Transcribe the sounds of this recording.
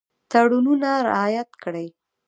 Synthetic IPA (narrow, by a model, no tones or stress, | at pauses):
t̪aɽununaɾɪ̰ɑjat̪kɽəj